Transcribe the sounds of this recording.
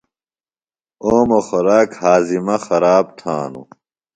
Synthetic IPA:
oːmoxoɾaːkhaːzimɐxɐɾaːbt̪ʰa̰ːnṵ

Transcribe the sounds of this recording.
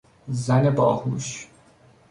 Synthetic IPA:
zænebɒ̰ːhuʃ

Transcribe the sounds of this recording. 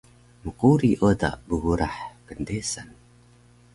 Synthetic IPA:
məquɾiʔoda̰ʔbəɣuɾaħkəndesan

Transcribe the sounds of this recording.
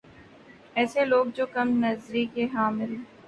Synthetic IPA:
ɛːseloːɡ̚d͡ʒoːkɐmnɐzɾikeɦãːmɪle

